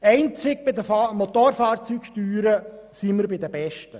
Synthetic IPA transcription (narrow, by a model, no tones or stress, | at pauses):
ɛɪnt͡sɪk̚bɪd̪əfɑmot̪oɾfɑːɾt͡syːkʃtyːɾə | siməɾbɪd̪əbɛʃtə